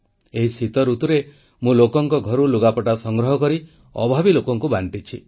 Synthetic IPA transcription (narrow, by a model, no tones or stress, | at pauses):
eɦisit̪ɔɾut̪uɾe | mũlokɔŋkɔɡʱɔɾuluɡapɔʈasɔŋɡɾɔɦɔkɔɾi | ɔ̰bʱabilokɔŋkubaɳʈit͡ʃʰi